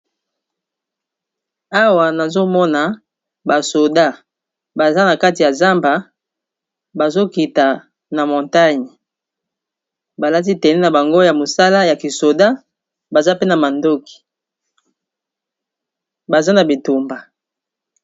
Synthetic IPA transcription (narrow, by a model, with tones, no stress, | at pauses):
a˦wa˨na˨zo˦mɔ˦na˨ | ba˨so˨da˦ | ba˨za˦na˨ka˦ti˨ja˨za˦mba˨ | ba˨zo˦ki˨ta˨ | na˨mɔ̃˨nta˦ɲi˨ | ba˨la˦t̬i˦tɛ˨nɛ˦na˨ba˨ŋɡo˦ja˨mo˨sa˦la˦ja˨ki˨so˨da˦ | ba˨za˦pe˦na˨ma˨ndo˦ki̥˨ | ba˨za˦na˨bi˨tu˨mba˨